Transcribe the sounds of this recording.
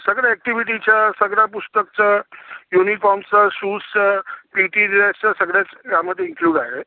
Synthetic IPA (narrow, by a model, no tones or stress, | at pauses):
səɡɽaɛk̚ʈiʋiʈ̬it͡ɕjasəɡɽjapust̪ək̚t͡sajunifɔɾmsasuːst͡sapiʈiɾiast͡sasəɡɽjat͡sɡjamːəd̪ʱjeiŋkluːɖaɦe